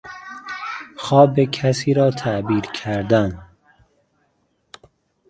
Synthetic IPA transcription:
xɒːbekʰæsiːɾɒːt̪ʰæʔbiːɾkʰæɾd̪æn

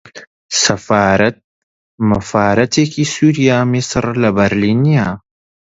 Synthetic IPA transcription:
sɐfaːɾɐt̪̚ | mɐfaːɾɐt̪ʰekʰisuːɾijaːmɪsɾlɐbɐɾliːnijaː

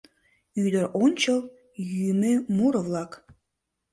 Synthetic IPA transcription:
yd̪əɾʔonʲt͡ɕə̆lˠ | jymemuɾəvlˠɑk

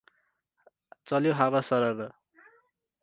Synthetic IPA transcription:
t͡sʌljoɦaβʌsʌɾʌɾʌ

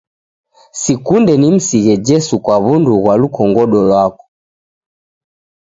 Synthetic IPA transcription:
sikundɛnim̩siɣɛd͡ʒɛsukwaβunduɣwalukɔŋɡɔɗɔlwakɔ̥

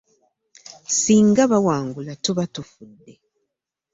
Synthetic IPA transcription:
siːŋɡaβawaːŋɡulatuβatufudːe̞

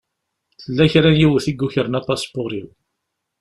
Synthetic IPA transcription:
θəlːæçɾænjiwəθiɡːuçəɾənæpːɑspoɾiw

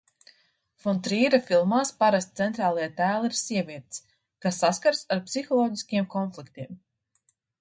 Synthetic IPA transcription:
fɔnt̪ɾiːɾafilˠmaːspaɾast̪t̪sɛnt̪ɾaːlˠajat̪æːlˠiɾsiɛvʲiɛt̪s | kasːaskaɾsaɾpsixɔlˠɔːɟiskʲiɛmkɔnflˠikt̪iɛm

